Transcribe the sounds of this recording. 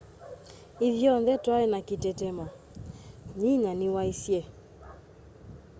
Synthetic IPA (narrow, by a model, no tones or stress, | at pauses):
iðjɔnðɛtwaɛnakitɛtɛmɔ | ɲiɲanɪwaisjɛ